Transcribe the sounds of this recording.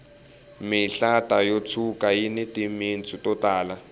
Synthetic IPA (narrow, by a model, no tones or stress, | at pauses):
mɪɬatajot͡sʰukʼajinɛtimint͡sʼutɔtaːla